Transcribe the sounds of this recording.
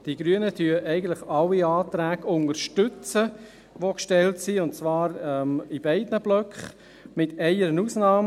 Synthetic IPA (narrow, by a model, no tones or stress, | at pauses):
d̥iɡ̥ɾyənətyəʔɛɪɡən̩tlɪχɑwiɑːtɾæːɡʊnəɾʃtʏt͡sə | ʋokʃtɛltsiʊnt̚t͡sʋɑːɾɛmib̥æɪdnəblœkχ | mɪtʰɛɪəɾənuːsnɑːm